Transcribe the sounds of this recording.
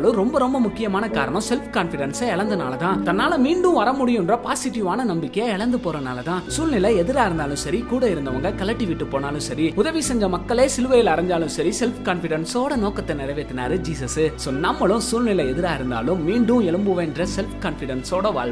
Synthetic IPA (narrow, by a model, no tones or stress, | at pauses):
ɭɯ̃ɾɔmbɐɾɔmbɐmʊkːɪjɐmaːnɐkaːɾɐɳɐ̃sɛlfkaːnfɪɽɐnsɐɛɭɐnd̪ɯna̰ːlɐt̪ãːt̪ɐnːaːlɐmiːɳɖɯ̃ʋɐɾɐmʊɽɪjɯndrɐpaːsɪʈːiʋaːnɐnɐmbɪkːɐjɐɛɭɐnd̪ɯpoːɾɐnaːlɐt̪ãːsuːlnɪlɐɛðɯɾaːɪɾɯnd̪aːlɯ̃msɐɾikuːɽɐɪɾɯnd̪ɐʋɐŋɡɐkɐlɐk̚ʈːiʋɪʈːɯpoːnaːlɯ̃sɐɾiʊðɐʋisɛɲd͡ʒɐmɐkːɐɭeːsɪlɯʋɐjɪlɐɾɐɲd͡ʒaːlɯ̃msɐɾisɛlfkaːnfɪɽɐnsoːɽɐnoːkɐt̪ːɐnɪɾɐʋeːt̪ːɪnaːɾɯd͡ʒiːsɐsɯsoːnɐmːɐɭɯ̃suːlnɪlɐɛðɪɾaːɪɾɯnd̪a̰ːlɯ̃mːiːɳɖɯ̃ɛɭɯmbɯʋeːɳɖrɐsɛlfkaːnfɪɽɐnsoːɽɐʋa̰ːɭ